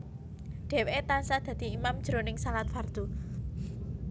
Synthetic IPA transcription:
ɖ̪̥ɛ̤weʔet̪ansad̪̥ä̤d̪̥i̤imamd̥ʒ̥ɾo̤nɪŋsalat̪̚fard̪̥u

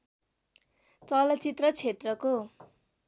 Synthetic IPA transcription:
t͡sʌlʌt͡sit̪rʌt͡sʰet̪rʌko

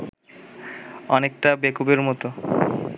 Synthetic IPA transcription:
ɔnek̚ʈabekubeɾmɔt̪o

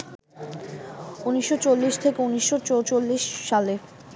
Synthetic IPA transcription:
uniʃːot͡ɕolːiʃt̪ʰekeuniʃːot͡ɕot͡ɕolːiʃːale

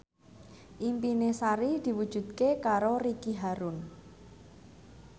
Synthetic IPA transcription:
ʔimpinesaɾid̪̥i̤wud̥ʒ̥ṳd̪̥̚kekaɾorikiɦaɾun

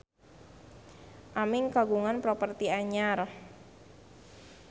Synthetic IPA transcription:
ʔamɪŋkaɡuŋanpɾopərt̪iaɲar

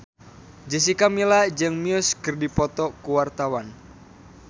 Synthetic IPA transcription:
d͡ʒəs̬ikamilad͡ʒɨŋmiʊskɨrdipɔt̪ɔkuwart̪awan

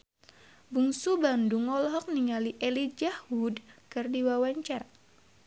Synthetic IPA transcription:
buŋsubanduŋɔlɦɔk̚niŋaliʔelid͡ʒahudkɨrdiwawaɲt͡ʃar

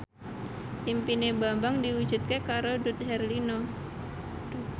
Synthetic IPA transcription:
impinebambaŋdiwud̥d͡ʒ̥ut̪̚kekaɾodut̪̚ɦɛrlinɔ̥

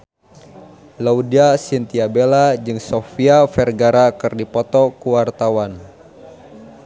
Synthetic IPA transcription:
laudiasint̪iabelad͡ʒɨŋsɔfiafɛrɡaɾakɨrdipɔt̪ɔkuwart̪awan

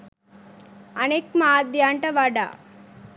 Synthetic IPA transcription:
ɐneːkmaːd̪jaːɳʈɐʋaːɖa̰ː

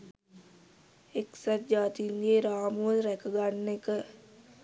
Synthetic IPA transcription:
eksad͡ʒaːt̪iŋɡeɾaːmuʋəlɾækəɡanːekə

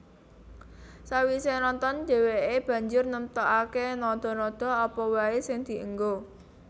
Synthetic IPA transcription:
sawisenɔnt̪ɔnɖ̪̥e̤weeb̥ä̤ɲd͡ʒʊrnəmt̪ɔʔakenɔd̪̥ɔ̤nɔd̪̥ɔ̤ɔpɔwaesɪŋd̪̥i̤ʔə̰ŋɡo

